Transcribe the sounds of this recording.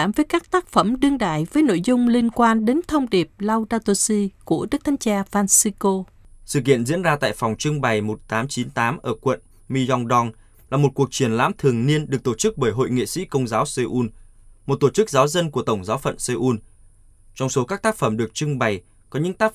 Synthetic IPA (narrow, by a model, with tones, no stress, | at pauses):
aː˧˩mvəː˨˦jkaː˦˥k̚t̪aː˦˥k̚fə˧˩mɗɨ˧əŋɗa̰ː˧˨jvəː˨˦jno̰˧˨jzʊ˧ŋ͡mli˧ənkwaː˧nɗe˨˦nt̪ʰə˧wŋ͡mɗi˨˩əp̚la˧wzaː˧t̪o˧si˧ku˧˩əɗɨ˦˥k̚t̪ʰa˨˦jŋt͡ɕaː˧faː˧nsi˧ko˧ | sɨ̰˧˨kḭ˧˨ənzḭ˧˥ənzaː˧t̪a̰ː˧˨jfɔ˨˩wŋ͡mt͡ɕɨ˧ŋɓa˨˩jmo˨˩t̚t̪aː˨˦mt͡ɕi˨˦nt̪aː˨˦mʔəː˧˩kwə̰˧˨n | mi˧zɔ˧wŋɗɔ˧ŋ | laː˨˩mo˨˩t̚ku˨˩ək̚t͡ɕi˧˩ənla̰ː˧˥mt̪ʰɨ˨˩əŋni˧ənɗɨ˨˩ək̚t̪o˧˩t͡ɕɨ˦˥k̚ɓəː˧˩jɦo̰˧˨jŋḭ˧˨sḭ˧˥kə˧wŋ͡mzaː˨˦wse˧ʔu˧nmo˨˩t̚t̪o˧˩t͡ɕɨ˦˥k̚zaː˨˦wzə˧nku˧˩ət̪ə˧˩wŋ͡mzaː˨˦wfə̰˧˨nse˧ʔu˧n | t͡ɕɔ˧wŋ͡mso˨˦kaː˦˥k̚t̪aː˦˥k̚fə˧˩mɗɨ˨˩ək̚t͡ɕɨ˧ŋɓa˨˩j | kɔ˨˦ɲɨ̰˧˥ŋt̪aː˦˥